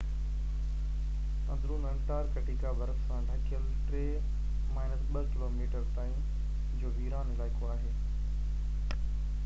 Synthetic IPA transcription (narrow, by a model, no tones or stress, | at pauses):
ɐ̃nd̪ɾũnə̃ŋkʈaːɾkɐʈiːkaʋɐɾəssãːɖʱɐkʰijəl | ʈɾeː | maːɪnəsɓəkɪloːmiːʈəɾt̪aːĩ | d͡ʑoːʋiːɾaːnɪlaːɪkoaːɦeː